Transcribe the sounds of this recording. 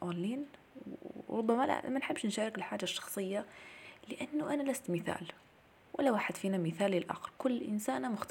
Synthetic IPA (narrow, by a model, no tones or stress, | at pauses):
ʔolːiːn | ɾˤʊbːamala̰la̰mːanħɪbːʃnʃaːɾˤɪkɪlħaːd͡ʒaʃːɑ̥xsˤɨjːalɪʔanːʊʔanalast̪mɪθa̰ːl | wʔa̰lːawaːħɪd̪fiːnamɪθaːlɪlʔa̰xɾkʊlːʔɪ̰nsaːnamʊxt̪